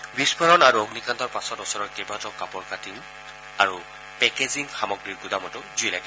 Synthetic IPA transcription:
bispʰɔɹɔnaɹuoɡnikantɔɹpasɔtɔsɔɹɔɹkebatɔkapɔɹkatiŋ | aɹu | pɛkeziŋxamɔɡɹiɹɡudamɔtʊzujlaɡɛ

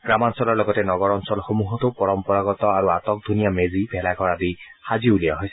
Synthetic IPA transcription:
ɡ̥ɹamansɔlɔɹlɔɡɔtɛnɔɡɔɹɔnsɔlxomuɦɔtupɔɹɔmpɔɹaɡɔtɔaɹuatɔk̚dʱunijamezibʱɛlaɡɔɹadixaziulijaɦojsɛ

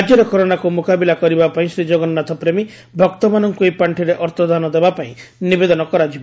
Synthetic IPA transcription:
d͡ʒjɔɾekɔɾonakumukabilakɔɾibapaĩsɾid͡ʒɔɡɔnːat̪ʰɔpɾemi | bʱɔkt̪ɔmanɔŋkuejpaɳʈʰiɾeʔɔɾt̪ɔd̪ʱanɔd̪ebapaĩnibed̪ɔnɔkɔɾad͡ʒibɔ

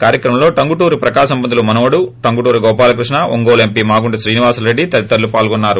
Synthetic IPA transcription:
kaːɾjɐkɾɐmɐmlo̞ːʈɐŋɡuʈuːɾupɾɐkaːɐsɐmbɐnd̪ulumɐnɐʋɐɽuʈɐŋɡuʈuːɾuɡɔːpaːlɐkɾuʂɳɐʔo̰ŋɡoːle̞mpiːmaːɡuɳɖiʃɾiːniʋaːsɐlɾeɖːit̪ɐɾit̪ːɐɾlːupaːlɡɔnːaːɾu

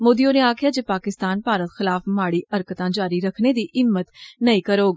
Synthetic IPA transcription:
moːd̪ijõːneaːkʰɪjaːd͡ʒeːpaːkɪst̪aːnpaːɾət̪xɪlaːfmaːɽiːʔəɾkət̪ãːd͡ʒaːɾiɾəkʰned̪iːʔɪmːət̪nəĩːkəɾoːɡ

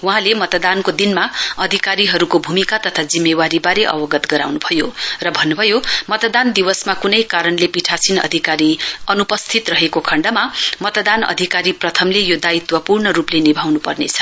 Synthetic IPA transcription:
wɦãlemʌt̪d̪ankod̪inmaʌd̪ʱikaɾiɦʌɾukobʱumikat̪ʌt̪ʰad͡zimːewaɾibaɾeʔʌ̰bʌɡʌt̪ɡʌɾa̰wnubʱʌjorʌbʱʌnːubʱʌjomʌt̪d̪and̪iwʌsmakunʌjkaɾʌnlepiʈʰasinʌ̰d̪ʱikaɾiʌnupʌst̪ʰit̪rʌɦekokʰʌɳɖʌmamʌt̪d̪anʌ̰d̪ʱikaɾiprʌt̪ʰʌmlejod̪ait̪wʌpurnʌɾuplenibʱawnupʌrnḛt͡sʰʌ̥

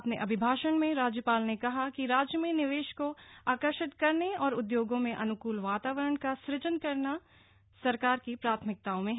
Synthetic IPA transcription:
pneʔɐbʱɪbʱaːʃənmẽɾaːd͡ʒjəpaːlnekɐɦakiɾaːd͡ʒjəmiːnɪʋeːʃkoaːkəɾʃɪt̪kɐɾneɔːɾʊd̪joːɡõmẽʔɐnʊkuːlʋaːt̪aːʋəɾəɳkasɾɪd͡ʒənkɐɾna | sɐɾkaːɾkipɾaːt̪ʰmɪk̚t̪aːõmẽɦ

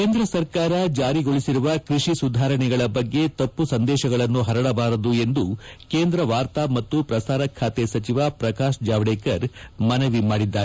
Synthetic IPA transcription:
keːnd̪ɾɐsɐɾkaːɾɐd͡ʒaːɾiɡo̞ɭisiɾuʋɐkɾiʂisud̪ʱaːɾɐɳɛɡɐɭɐbɐɡːe̞t̪ɐpːusɐnd̪ɛːʃɐɡɐɭɐnːuɦɐɾɐɽɐbaːɾɐd̪ue̞nd̪ukeːnd̪ɾɐʋaːɾt̪amɐt̪ːupɾɐsaːɾɐkʰːaːt̪esɐt͡ʃiʋaːpɾɐkaːʃd͡ʒaːʋɽeːkɐɾmɐnɐʋimaːɽid̪ːaːɾ

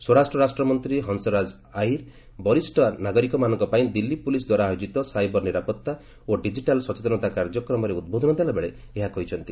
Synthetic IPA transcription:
swɔɾasʈɾɔɾasʈɾɔmɔnt̪ɾiɦɔnsɔɾad͡ʒ | ajɾ | bɔɾisʈɔnaɡɔɾikɔmanɔŋkɔpaĩd̪ilːipulisd̪waɾaːjod͡ʒit̪ɔsajbɔɾniɾapɔt̪ːa | oɖid͡ʒiʈalsɔt͡ʃet̪ɔnɔt̪akaɾd͡ʒɔkɾɔmɔɾeud̪̚bod̪ʱɔnɔd̪ealabeɭe | eɦakɔɦit͡ʃʰɔnt̪i

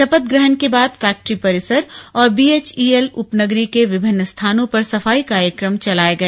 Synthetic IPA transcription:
ʃɐpət̪̚ɡɾəɦənkebaːd̪fɛːk̚ʈɾipɐɾɪsəɾɔːɾbiːeːt͡ʃiːelʊpnɐɡɾikeʋɪbʱɪnːəst̪ʰaːnõpɐɾsɐfaːikaːɾjəkɾəmt͡ʃɐlaːeɡɐeː

